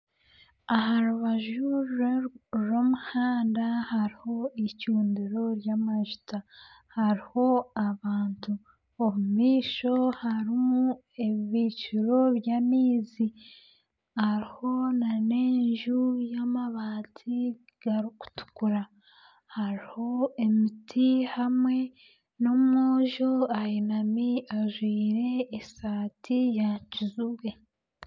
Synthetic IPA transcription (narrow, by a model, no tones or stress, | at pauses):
aɦaɾuβaʒu | ɾo̞muhaːndahaɾiho̞icuːndiɾo̞ɾjamaʒuta | haɾiho̞aβaːntʰu | oβumiːʃo̞haɾimu | eββiːt͡ʃuɾo̞βjamiːzi | haɾiho̞nane̞ːɲʒujamaβaːtʰi | ɡ̥aɾiku̥tu̥kuɾa | haɾiho̞emitʰihamwe̞ | no̞mŋoːʒoajinamiaʒwiːɾe̞ːsaːtʰijacizuɡe̞